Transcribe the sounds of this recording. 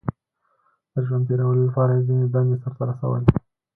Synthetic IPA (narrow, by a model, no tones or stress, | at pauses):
d̪̥əʒwanpeɾawəlolapɑɾajzined̪anesaɾt̪aɾasa̰wə̰j